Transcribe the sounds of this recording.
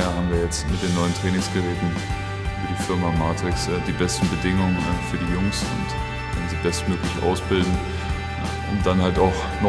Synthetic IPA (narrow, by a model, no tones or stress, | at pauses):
aɦaːbm̩viːɐjɛt͡stmɪt̚d̥eːnːɔʏəntʁ̥ɛːnɪŋsɡ̥əʁɛːtn̩ | ʔyːbɐdiːfɪɐmamaːtʁ̥ɪksd̥iːbɛstn̩bədɪŋʊŋənɛfyːɐdiːjʊŋsʊ̰nt | kʰɛnnziːbɛstmøːklɪçʔa̰ʊsb̥ɪldn̩ | ʔʊntd̥anhaltaʊx | nɔ